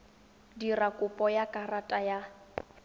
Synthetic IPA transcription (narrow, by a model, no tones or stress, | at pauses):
dirakʼʊpʼɔjakʼaratʼaja